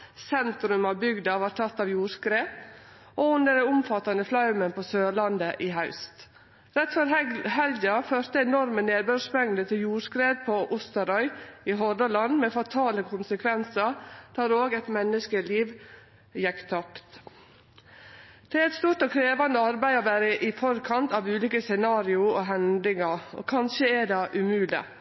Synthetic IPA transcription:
sɛnt̪ɾʉmɑʋbʏɡd̪ɑʋɑːɾʈ̪ʰɑt̪ːɑʋjuːɾskɾeːp | oːʉnd̪əɖɛʊmfɑt̪ːɑnəflɑʉmənpʰoːsøːlɑnd̪əʔɪɦɑʉst̪ | ɾɛt̪fɔɾhɛld̪ɑføːɾt̪əɛnɔɾməneːbøʂmɛŋd̪ət̪ʰɪljuːɾskɾeːd̪̚pʰoʔʊst̪əɾɔʏɪɦɔd̪əlɑnmɛːfɑt̪ʰɑːləkʰʊnsəkʰʋɛnsəd̪̥ɑːɾoːɡɛt̪mɛnːəskəliːʋ | jɛkt̪ʰɑkt̪ | d̪̥ʰɪlɛt̪st̪uːɾt̪ɔːkʰɾeːʋɑnd̪əɑɾbæɪɔʋæːɾəʔɪfɔɾkʰɑnt̪ɑʋʉːliːkəsɛnɑːɾɪʊoɦɛnd̪lɪŋɑo̰ːkʰɑnʃəædɑːʔʉmʉːlɪ̰

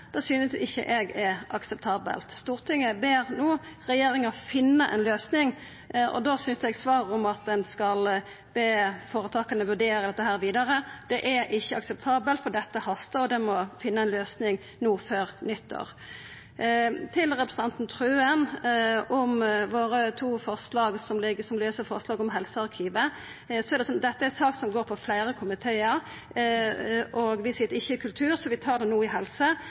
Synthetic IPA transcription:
d̪̥ɛsyːnəsɪçːə̰ʔɛɡɛɑksɛp̚t̪ʰɑːbə̰lt̪st̪uːʁt̪ʰɪŋːəbeːʁnuːʁɛjeːɾɪŋəfɪnːəʔɛnløːsnɪŋ | ʔɔ̰d̪osʏnsɛɡsʋɑːʁʊmɑt̪̚d̪ɛnskɑl | b̥eːfoːɾət̪ʰɑːkɑnəʋʉʁɖ̪eːɾəd̪ɛt̪ːəɦæːɾʋiːd̪ɑɾəd̪̥ɛʔɛɾʔɪçːəɑksɛp̚t̪ʰɑːbəlt̪fɔd̪ɛt̪ːəhɑst̪əɾɔd̪ɛmɔfɪnːəɛnløːsnɪŋ | nuːføːɾnʏt̪ːo̰ːʁ | t̪ʰɪlɾɛpɾəsn̩ɑnt̪n̩t̪ʰɾʉːənɔmʋoːɾət̪ʰuːfɔʁslɑːɡsɔmlɪɡsɔmløːsəɾfɔʁslɑːɡɔmɦɛlsəɑɾkʰiːʋə | sɔɛɾɖ̪ɛsɔd̪ɛt̪ːəɛɾsɑːksɔmɡoːɾpʰɔflæɪɾəkʰʊmɪt̪ʰeːəɾ | ʔɔɡʋɪsɪt̪ːəɪçːəɪkʰʉlt̪ʰʉːɾsɔʋɪt̪ʰɑːɾd̪ɛnuːəɪɦɛlsə

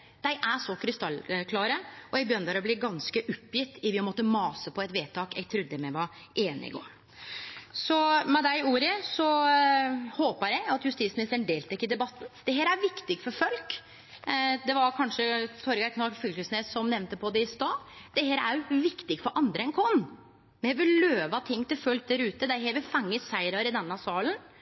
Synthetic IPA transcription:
d̪̥æɪʔæʂɔkʰɾɪst̪ɑlːkʰlɑːɾəɔjæɡbjœnd̪æɾɔblɪɡɑnskəʔʊpːjɪt̪ːɪʋɪmɔt̪ːəmɑːsəpʰɔɛt̪ʋeːt̪ʰɑːkɛɡ̚t̪ʰɾʉd̪ːəmɛʋɑ | ʔeːnə̰ɪ̰ɡo̰ːɾ | sɔmɛd̪æɪuːɾəsɔ | hoːpəɾjæɡɑt̪jʉst̪iːt̪smɪnɪst̪ənd̪eːlt̪ʰɛkːɪd̪ɛbɑt̪ːn̩d̪̥ɛɦeːɾæɾʋɪkt̪ɪɡfɔɾfɔlk | d̪ɛʋɑɾkʰɑnʂət̪ʰɔɾɡɑkʰnɑfʏlkəsneːsɔmnɛʋnt̪əpʰɔd̪ɛɪst̪ɑːd̪̥ɛheːɾæɾjʋɪkt̪ɪɡfɔɾʔɑnd̪ɾəɛnkʰɔnː | mɛnɛʋɪlløːʋɑt̪ʰɪŋːt̪ɪlfœlk̚d̪æɾʉːt̪əd̪æɦɛːɾʋɪlfɑŋːəsæɪɾɑɾɪd̪ɛnːɑsɑːlən

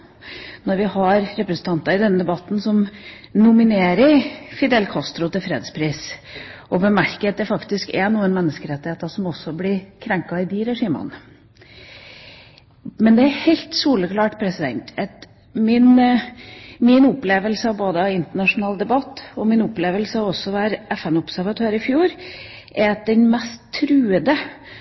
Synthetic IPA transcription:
nɔɾʋɪhɑɾɾɛpɾəsn̩t̪ʰɑnt̪ɑɾɪd̪ɛnːəd̪ɛbɑt̪ːn̩sɔm | nʊmɪneːɾəɾfɪd̪ɛlkʰɑst̪ɾʊt̪ʰɪlfɾeːd̪spʰɾisʔɔbəmæɾkət̪̚d̪ɛfɑkt̪ɪskɛnuːənmɛnːəskəɾɛt̪ːɪheːt̪ɑsɔmɔsːɔblɪɾkʰɾɛŋkɑɪd̪iɾɛʂiːmə̰n | mɛnd̪ɛæɾhɛɪlt̪suːləkʰlɑːʈpʰɾɛsɪd̪ɛ̰nt̪ɛt̪ | mɪn | mɪnʊpleːʋəlsəɑboːd̪əɑʋɪnt̪əɳɑʂʊnɑːld̪ɛbɑt̪ːɔmɪnʊpleːʋəlsəɑɔsːɔʋæːɾɛfɛnʊbsæɾʋɑt̪ʰøːɾɪfjuːɾ | ʔɛɾɑt̪̚d̪ɛnmɛst̪ʰːɾʉːəd̪ə

